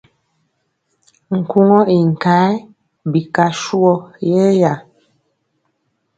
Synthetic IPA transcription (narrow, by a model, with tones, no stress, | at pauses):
ŋ̩˨ku˦ŋɔ˦i˨ŋ̩˨ka˨˦ | bi˨ka˨ʃu˦ɔ˦jɛ˦ja˨